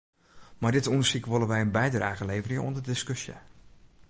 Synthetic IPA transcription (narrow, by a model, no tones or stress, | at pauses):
mardɪtundəsikʋolˠənʋɛjənbɛjdraːɣəlejvərɪŋəɔ̰ndərdɪskøsjə̰